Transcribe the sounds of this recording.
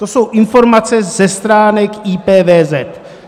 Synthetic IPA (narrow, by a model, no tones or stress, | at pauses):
t̪oso̞wʔɪnfo̞ɾmat͡sɛzɛst̪ɾaːnɛkiːpɛːvɛːzɛt̪